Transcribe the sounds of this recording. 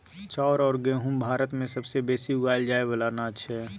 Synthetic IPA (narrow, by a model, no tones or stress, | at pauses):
t͡ʃɔːɾɔːɾɡẽːɦʊ̃mbʱaːɾət̪mẽsɐbsebeːsiʊɡaːld͡ʒaːebəlaːnaətːʃʰɛ